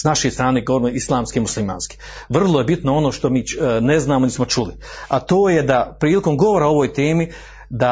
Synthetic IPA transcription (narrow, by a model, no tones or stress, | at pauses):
snaʃe̞jst̪ɾaːneɡoɾmeislˠaːmskimuslima̰ːnski̥ | ʋr̩lˠoje̞bit̪noo̞no̞ːʃt̪o̞miːne̞znaːmonismo̞t͡ʃuli | at̪o̞ːjed̪apɾiːliko̞mɡo̞ʋo̞ɾaoo̞ʋoːjt̪eːmi | d̪a